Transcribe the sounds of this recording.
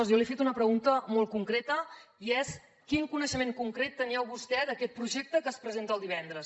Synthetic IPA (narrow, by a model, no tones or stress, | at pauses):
ɔzjɔlifet̪unəpɾəɣunt̪əmolˠkuŋkɾet̪əiɛs | kiŋkunəʃəmeŋkuŋkɾet̪ːəniɛwβust̪ɛðəkɛt̪̚pɾuʒek̚t̪əkəːspɾəzent̪əlˠd̪iβɛnd̪ɾəs